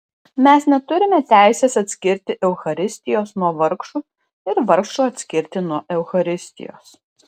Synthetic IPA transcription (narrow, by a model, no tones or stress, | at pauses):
mʲɛsnʲɛt̪ʊɾʲɪmʲɛt̪ʲæˑɪsʲeːsɐt̪ʲsʲkʲɪɾʲt̪ʲɪʔɛʊxɐɾʲɪsʲt̪ʲɪjoːsnuɔʋɐɾkʃuː | ɪɾʋɐɾkʃuːɐt̪ʲsʲkʲɪɾʲt̪ʲɪnuɔʔɛʊxɐɾʲɪsʲt̪ʲɪ̰jo̰ːs